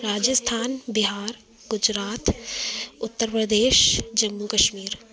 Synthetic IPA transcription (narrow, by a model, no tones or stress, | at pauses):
ɾaːd͡ʒəst̪ʰaːnbɪɦaːɾ | ɡʊd͡ʒɾaːt̪ | ʊt̪ːəɾpɾəd̪eːʃd͡ʒɐmːukəʃmiːɾ